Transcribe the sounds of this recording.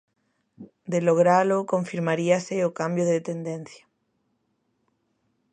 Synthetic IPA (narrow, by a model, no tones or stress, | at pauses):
d̪eloɣ̞ɾalokoɱfiɾmaɾiaseokambjoðet̪end̪ẽn̟θja